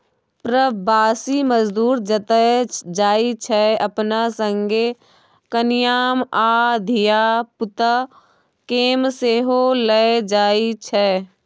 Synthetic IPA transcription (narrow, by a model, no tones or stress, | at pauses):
pɾəbaːsiməzd̪uːɾd͡ʒət̪əd͡ʒaːit͡ʃʰɛɐpnasə̃ŋɡe | kənɪjaːmaːd̪ʱijaːpʊt̪a | keːmseːɦoləed͡ʒaːit͡ʃʰɛː